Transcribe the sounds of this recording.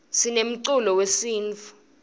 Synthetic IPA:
sinem̩ǀulɔwesiːnt͡fu̥

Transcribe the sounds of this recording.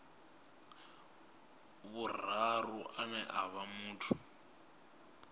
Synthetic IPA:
βur̤aruʔanɛʔaβamuːtʰu̥

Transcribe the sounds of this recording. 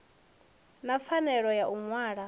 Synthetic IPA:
nafanɛɺɔjaʔuŋwaːɺa

